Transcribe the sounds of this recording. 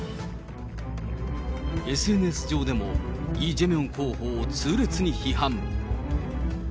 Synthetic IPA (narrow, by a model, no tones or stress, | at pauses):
e̞sɨe̞nɯe̞sɨd͡ʑo̞ːd̪e̞mo̞iːd͡ʑemeõŋkʰoːhoːt͡sɨːɾɯt͡sɨɲ̟içiɦãm